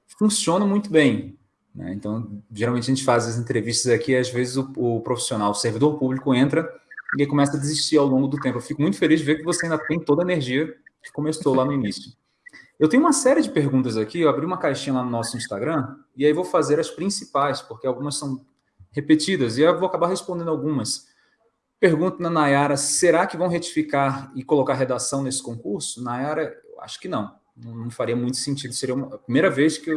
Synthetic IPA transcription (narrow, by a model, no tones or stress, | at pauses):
fũsiõnɐmũj̃t̪ʊbẽj̃ | nɛ̰ḛ̃nt̪ɐ̃w̃ʒeɾawmẽt͡ʃɪɐʒẽt͡ʃɪfazɐzẽnt̪ɾeviʃt̪ɐzakiazvezɪzʊʊpɾofi̥sionawʊseɾvid̪oɾpublikʊẽnt̪ɾɐakõmɛsɐd̪eziʃt͡ʃiɾawlõɡʊd̪ʊt̪ẽmpʊewfikʊmũj̃t̪ʊ̥felizʒd͡ʒɪveɾkɪvoseaĩnd̪ɐt̪ẽj̃t̪od̪ɐeneɾʒiɐkɪ̥kõmesowlanʊinisjʊ | ewt̪ẽj̃ũmɐsɛɾɪd͡ʒɪpeɾɡũnt̪ɐzakiewabɾiũmɐkajʃĩɲɐlanʊnɔsʊĩʃst̪aɡɾɐ̃ | ɪaivowfazeɾɐspɾĩsipajspoɾkeawɡũmɐssɐ̃w̃ | hepet͡ʃid̪ɐzɪavowakabaɾɦespõnd̪ẽnd̪awɡũmɐs | peɾɡũnt̪ʊnɐnajaɾɐseɾakɪvɐ̃w̃ɦet͡ʃi̥fikaɾɪkolokaɾɦed̪asɐ̃w̃nesɪ̥kõkuɾsʊnajaɾɐewa̰ʃʊ̥kɪnɐ̃w̃ | nɐ̃w̃nɐ̃w̃faɾiɐmũj̃t̪ʊ̥sẽnt͡ʃid̪ʊseɾiɐumɐɐpɾimejɾɐveskɪew